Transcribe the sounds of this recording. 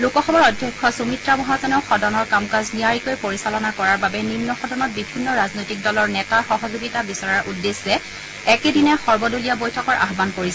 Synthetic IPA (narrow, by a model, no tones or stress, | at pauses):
lukɔxɔbɔɹɔdʱːjɛkʰːɔsumitɹamɔɦazɔnɛʊxɔdɔnɔɹkamkazniaɹikojpoɹisalɔnakɔɹaɹbabɛninːɔxɔdɔnɔt̚bibʱinːɔɹaznojtik̚dɔlɔɹnɛtaxɔɦɔzuɡitabisɔɹaɹʔudːesɛ | ɛkedinɛxɔɹbɔdolijabojtʰɔkɔɹʔa̰ɦbankoɹisɛ